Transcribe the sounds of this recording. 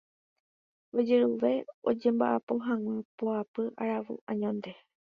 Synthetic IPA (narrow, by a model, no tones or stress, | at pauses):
od͡ʒeɾuʋe̞o̰d͡ʒẽ̞mba̰ʔapo̞ɦãŋ̃ʷãpoapɨʔaɾaʋṵʔãɲõnd̪e̞